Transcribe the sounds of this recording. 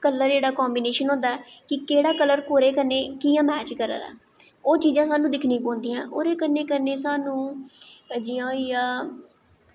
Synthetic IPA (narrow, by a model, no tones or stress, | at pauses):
kələɾd͡ʒeːɽaːkɔːmbiːneːʃənɦõːnd̪aːɛːkɪkeːɽaːkələɾkoːɾeːkənːeːkɪjãːmɛːt͡ʃkəɾə̰ɾɛ̰ː | oːt͡ʃiːzãːsaːnũːd̪ɪkʰnĩːpõːnd̪iːã̰ːʔoːɾeːkənːeːkəneːsaːnũː | d͡ʒiãːijaː